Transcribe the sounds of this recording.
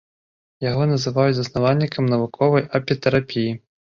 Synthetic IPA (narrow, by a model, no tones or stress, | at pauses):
jaɣɔnɐzɨvajud͡zʲzɐsnavalʲːikʰɐmnɐvukʰɔvɐjɐpʲit̪ɛɾapʲiji